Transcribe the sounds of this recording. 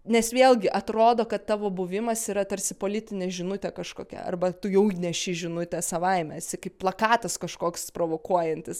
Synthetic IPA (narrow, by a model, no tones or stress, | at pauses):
nʲɛsʋʲeːlˠɡʲɪʔɐt̪ɾoːd̪oːkɐt̪t̪ːɑːʋoːbʊʋʲɪmɐsiːɾɐt̪ɐɾʲsʲɪpoːlʲɪt̪ʲɪnʲɛʒʲɪnʊt̪ʲɛkɐʃkoːkʲɛ̰ɐ̰rbɐt̪ʊjɛʊnʲɛʃʲɪʒʲɪnʊt̪ʲɛsɐʋɐɪmʲɛsʲɪkɐɪpplˠɐkɑːt̪ɐskɐʃkoːkspɾoːʋoːkuɔjɛnʲt̪ʲɪs